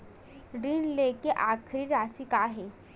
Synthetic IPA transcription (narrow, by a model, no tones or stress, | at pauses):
ɖinlekeʔakʰɾiːɾasikaɦe